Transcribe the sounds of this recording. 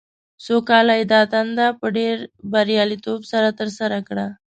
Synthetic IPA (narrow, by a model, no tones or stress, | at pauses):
sokalaid̪at̪and̪apəɖeɾbəɾjalit̪obsəɾat̪əɾsəɾakɽa